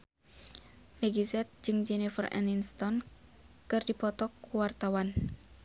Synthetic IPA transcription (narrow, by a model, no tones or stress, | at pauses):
mɛɡizɛt̪̚d͡ʒɨŋd͡ʒɛnifərɛ̰ninst̪ɔn | kɨrdipɔt̪ɔkuwart̪awan